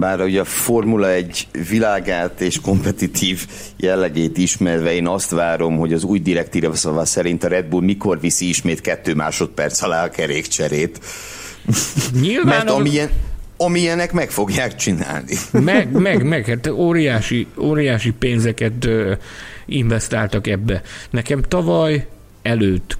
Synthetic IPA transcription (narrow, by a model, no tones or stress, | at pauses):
baːɾɒoɟɒfo̞rmulɒɛɟvilaːɡaːt̪eːʃko̞mpɛt̪it̪ʰiːv | jɛlːɛɡeːt̪iʃmɛrvɛeːnɒst̪ʋaːɾo̞mho̞ɟɒzuːjd̪iɾɛkt̪iːɾɛsɒvasɛɾint̪ɒɾɛd̪̚bulmiko̞rvisiiʃmeːt̪kɛt̪ːøːma̰ːʃo̞t̪̚pɛrt̪sɒlaːɒkɛɾeːkt͡ʃɛɾeːt̪ | ɲilvmɛːnmiɛɒmiɛnɛkmɛkfo̞ɡjaːkt͡ʃina̰ːlnimɛɡmɛɡmɛɡhaːt̪oːɾijaːʃioːɾijaːʃipeːnzɛkɛt̪ | iɱvɛst̪aːlt̪ɒkɛbːɛnɛkɛmt̪ɒvɒj | ɛløːt̪ː